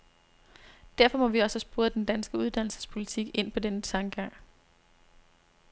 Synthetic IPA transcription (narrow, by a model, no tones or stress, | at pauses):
d̥æɐfɒ̽mɒ̽ʋiɒ̽səsb̥u̝ːɐd̥end̥ænsɡ̥əuð̞ˠd̥æn̰l̩sə̥spʰo̝lit͡sʰiɡ̥e̝n̰pʰɒ̽denət͡sʰɑ̈ŋɡ̥ɑ̈ŋ̰